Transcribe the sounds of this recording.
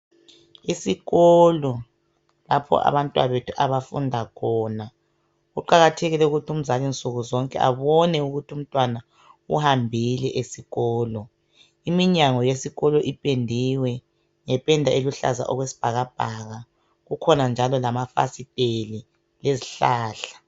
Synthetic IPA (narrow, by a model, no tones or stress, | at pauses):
isiɣɔlɔ | lapʰɔ̰ʔa̰βantʼwa̰βetʰu̥ʔaβafṵndʱakʰɔːna | ɣuǃaɣatʰeɣilɛuɣutʰum̩zalint͡sʼuɣuzɔŋkʼɛ̰ʔa̰βɔnɛuɣutʰum̩tʼwana | ṵhambʱilɛʔesiɣɔːlɔ | imiɲaŋɔjesiɣɔlɔʔipʼendʱiwɛ | ŋɛpʼɛndʱaeluɬa̰za̰ʔɔɣwesi̥b̥ʱaɣab̥ʱaɣa | ɣukʰɔnand͡ʒʱalɔlamafa̰sitʼeli | leziɬaːɬḁ